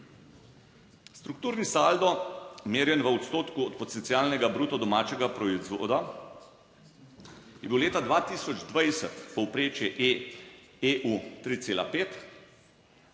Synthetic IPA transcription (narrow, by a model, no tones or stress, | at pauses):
st̪ɾuk̚t̪uːɾnisald̪ɔmeːɾjɛnʋəɔt̪st̪oːt̪kuɔt̪pɔt̪ɛnt̪siaːlnɛɡabɾuːt̪ɔd̪ɔmaːt͡ʃɛɡapɾɔizʋo̰ːd̪a | jɛbiwleːt̪ad̪ʋaːt̪iːsɔd͡ʒd̪ʋajsət̪pɔwpɾeːt͡ʃjɛʔe | eʔut̪ɾit̪seːla̰peːt̪